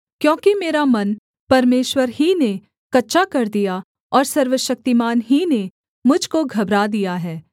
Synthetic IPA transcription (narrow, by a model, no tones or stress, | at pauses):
kjõːkimeːɾamɐn | pɐɾmeːʃwəɾɦine | kɐtːʃakɐɾd̪ija | ɔːɾsɐɾʋəʃɐk̚t̪imaːnɦine | mʊd͡ʒʱkoɡʱɐbɾad̪ijaɦɛː